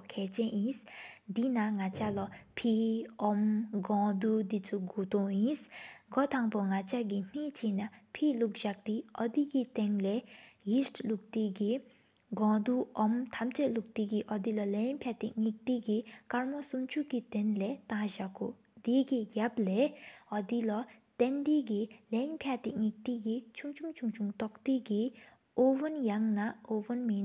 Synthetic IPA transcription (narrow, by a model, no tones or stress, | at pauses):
kʰeːt͡ɕɛnjisd̪inaŋat͡ɕalɔpʰiʔɔmɡɔ̃d̪ud̪it͡sʰuɡot̪ɔŋjinsɡɔt̪ʰaŋpoŋat͡ɕaɡin̥it͡ɕʰinapʰiʔluk̚ʑak̚t̪iʔɔd̪ikit̪eŋlejistʰluk̚t̪iɡi | ɡɔ̃d̪uʔɔmt̪ʰɐmt͡ʃeluk̚t̪iɡiʔɔd̪ilɔlenpʰjat̪iŋik̚t̪iɡikɐɾmɔsumt͡ʃʰukit̪ɛnlet̪ãːʒakṵ | d̪iːɡiɡableɔd̪ilɔt̪end̪iɡileɲpʰjat̪iŋik̚t̪iɡit͡ʃʰuŋt͡ʃʰuŋt͡ʃʰuŋt͡ʃʰuŋt̪ɔkt̪iɡi | oːʋɐnjɐŋnɐoːʋɐnmin